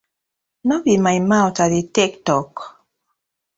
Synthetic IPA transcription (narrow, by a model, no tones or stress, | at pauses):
nɔbimaimaɔtaɾitɛktɔk